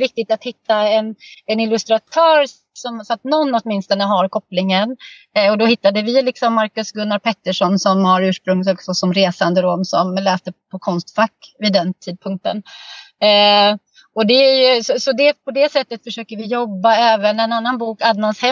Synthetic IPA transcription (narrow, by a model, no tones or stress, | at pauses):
vɪk̚t̪ɪt̪at̪hɪt̪ːaɛnɛnɪlɵst̪ɾat̪ʰœːɾ | sɔmsɔat̪nɔnːɔt̪mɪnst̪ɔnəɦaɾkʰɔpːlɪŋən | ɔd̪ɔhɪt̪ːad̪əvɪlɪksɔmːaɾkɵsɡɵnːad̪̚pʰɛt̪ːəʂɔnsɔmhaɾʉ̟ːʂpɾɵŋt̪ɔksɔsɔmɾeːsand̪əɾɔmsɔmlɛːst̪əpʰɔkʰɔnst̪fakːvɪd̪ɛnt̪ʰiːd̪̚pʰɵŋk̚t̪ən | ɔd̪ɛæjɵsɔsɔd̪ɛpʰɔd̪ɛsɛt̪ːət̪fœʂøːkəvɪjɔbːaɛːvənɛnanːanbuːkad̪manshɛ